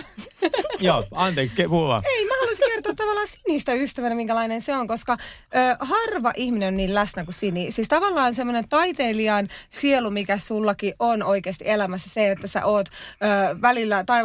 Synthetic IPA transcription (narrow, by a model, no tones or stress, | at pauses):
joːɑnt̪eːkskepuʋɑ̰eimæhɑluisiŋkert̪oːt̪t̪ːɑʋɑlːɑːsiniːst̪æyst̪æʋænæmiŋkælɑinenseoŋkoskɑøːhɑrʋɑʔihminenonniːllæsnækusinisiːst̪ɑʋɑlːɑːnsemːonent̪ɑit̪eːliɑnsielumikæsulːɑkiʔʔonoikeːst̪ḭʔelæmæsːæseet̪ːæsḛʔoːt̪øːʋælilːæt̪ɑi